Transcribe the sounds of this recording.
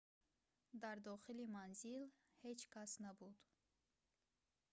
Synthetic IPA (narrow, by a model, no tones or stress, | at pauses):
d̪aɾd̪ɔχilimanzil | het͡ʃkʰasnabud̪